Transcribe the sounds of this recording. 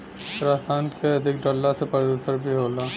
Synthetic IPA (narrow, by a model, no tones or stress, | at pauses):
ɾaːsaːnkeɐd̪ʱɪkɖɔːlːasepɐɾd̪uːsəɾbʱiɦoːla